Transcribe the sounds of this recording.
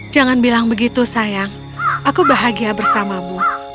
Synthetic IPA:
d͡ʒaŋanbilaŋbəɡit̪usajaŋ | ʔakubaɦaɡiabərsamamu

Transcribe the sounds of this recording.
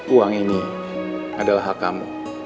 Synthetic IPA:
uaŋini | adalaɦakamṵ

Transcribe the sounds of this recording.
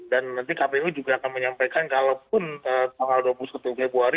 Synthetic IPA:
danːant̪ikapewid͡ʒuɡaːkanməɲampajkankalawp̚ʊnət̪aŋalduapulusat̪ufebɾuaɾi

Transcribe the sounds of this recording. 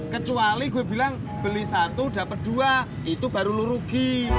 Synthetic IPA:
kət͡ʃualiɡuɛbilaŋ | b̥ə̤lisat̪ud̥a̤pət̪̚d̪̥ua | it̪ub̥aɾuluɾuɡ̥i

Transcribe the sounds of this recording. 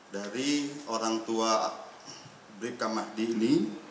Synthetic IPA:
daɾioɾaŋt̪ua | bɾikamahdini

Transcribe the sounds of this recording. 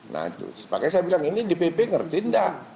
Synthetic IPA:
na̰ḭt̪ṵspakajsajabilaŋinidipepeŋərt̪inda

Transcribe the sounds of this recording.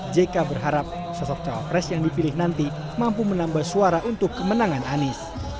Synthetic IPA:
d͡ʒekabərɦaɾap̚ | sɔsɔk̚t͡ʃawa̰pɾɛsjaŋdipilɪhnant̪i | mampumənambahsuaɾaʔunt̪ʊkːəmənaŋananɪs

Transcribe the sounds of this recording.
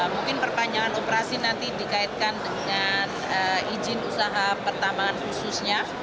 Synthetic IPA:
muŋkɪnpərpaɲd͡ʒaŋanopəɾasinant̪idikaɪt̪̚kandəŋan | əid͡ʒɪnusaɦapərt̪amaːnxususɲa

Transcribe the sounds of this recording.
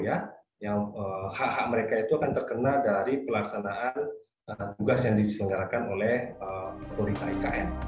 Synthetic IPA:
ja | jaŋəhaʔhaʔ̚məɾekait̪uakant̪ərkənadaɾipəlaksanaan | ət̪uɡasjaŋdisiŋɡalakanolɛhəkoɾit̪aika̰ʔɛn

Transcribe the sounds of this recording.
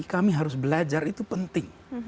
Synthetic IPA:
kamiɦaɾʊsbəlad͡ʒarit̪upənt̪ɪŋ

